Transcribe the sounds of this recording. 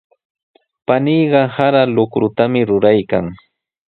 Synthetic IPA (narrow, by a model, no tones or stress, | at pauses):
panijɢɑhaɾalʊkɾʊt̪amɪɾʊɾajkaŋ